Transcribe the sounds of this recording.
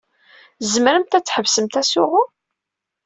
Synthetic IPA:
zməɾəmt̪æt͡sːħəvsəmt̪æsʊʁʊ

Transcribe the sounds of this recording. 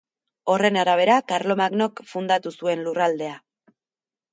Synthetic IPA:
o̞re̞naɾaβ̞e̞ɾakaɾlo̞maɡno̞kfund̪at̪usue̞nlurald̪e̞a

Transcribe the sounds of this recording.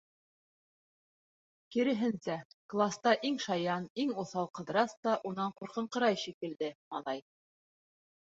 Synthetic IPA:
kiɾɘ̆ɦɘnsæklˠast̪ɑʔiŋʃɑjɑniŋuθɑlˠqɤ̆ðɾɑst̪ɑʔunɑɴquɾqɤ̆ɴqɤ̆ɾɑjʃikɘ̆ld̪ɘmɑ̰lˠɑj

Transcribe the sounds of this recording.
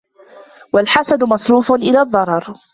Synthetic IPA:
walħasad̪mɑsˤɾuːfʊnʔɪlaːðˤːɑɾˤɑɾˤ

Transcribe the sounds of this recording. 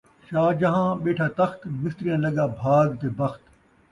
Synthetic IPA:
ʃaːd͡ʒɐɦãːɓeːʈʰaːt̪ɐxt̪mɪst̪ɾijãːlɐɡaːbʱaːɡt̪eːbɐxt̪

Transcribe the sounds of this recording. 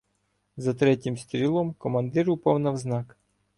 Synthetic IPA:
zɐt̪ɾɛtʲimst̪ʲɾʲilˠɔmkɔmɐnd̪ɪɾʊpɔwnɐwznɑk

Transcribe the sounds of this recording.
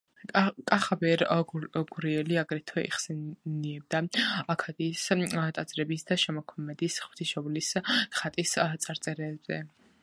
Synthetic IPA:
kʼaχabɛɾɡuɾiɛliaɡɾɛt̪ʰwɛʔḭχsɛniɛb̚d̪aakʰad̪ist̪ʼad̪zʼɾɛbisd̪aʃɛmɔkʰɔmɛd̪isχw̥t̪ʰiʃɔbliskχat̪ʼist̪sʼaɾt̪sʼɛɾɛːbzɛ̰

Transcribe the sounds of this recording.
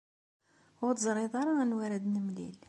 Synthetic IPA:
ʊɾt̪əzˤɾˤeðˤɑɾˤaænwæɾæd̪nəmlḭl

